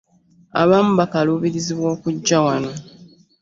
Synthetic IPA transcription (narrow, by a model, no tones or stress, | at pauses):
a̰βaːmuβakaluːβiɾiziβwo̞ːkuɟːawano̞